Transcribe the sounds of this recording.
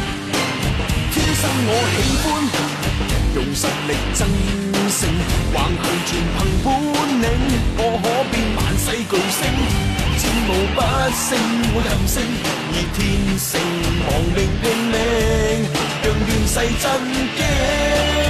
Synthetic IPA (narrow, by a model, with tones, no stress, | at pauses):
t̪ʰiː˥nsɐ˥ŋːɔː˨˧he˨˥jfuː˥n˨ | jʊ˨ŋsɐ˨˧t̚lɪ˨k̚t͡sɐ˥ŋ | sɪ˧ŋwaː˨˩ŋhɵ˨˧ɥt͡ʃʰyː˨˩npʰɐ˨˩ŋfuː˥nːɪ˨˥ŋːɔː˨˧ɦɔː˨˥piː˧nma̰ː˨nsɐ˧jko˨˧wsɪ˥ŋt͡sɪ˧ŋmo˨˧wpɐ˥t̚sɪ˧˥ŋʰɐ˨˩wsɪ˥ŋ | jiː˨˩t̪ʰiː˥nsɪ˧ŋmɔː˨˩ŋmɪ˨ŋt̪ɪ˧ŋmɛ˧ŋ | jœː˨ŋt̪yː˨nsɐ˧jt͡sɐ˥nkɛ˥